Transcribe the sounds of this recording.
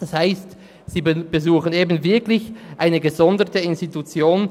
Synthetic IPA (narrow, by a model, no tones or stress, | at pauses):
d̥ashaɪst | z̥iːb̥əzuːxəneːbn̩vɪɐklɪçʔaɪnəɡəzɔndətəɪnstitut͡sjoːn